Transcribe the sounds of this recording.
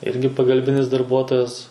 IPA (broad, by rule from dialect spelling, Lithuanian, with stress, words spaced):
ˈɪrʲɡʲɪ pɐɡɐlʲˈbʲɪnʲɪs dɐrˈbuɔtoːjɛs